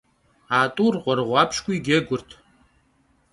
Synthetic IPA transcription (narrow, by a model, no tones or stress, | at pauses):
aːtʼurqʷʼarʁʷapʰʃkʷʰʼʊiɡʲeɡʷʊrtʰ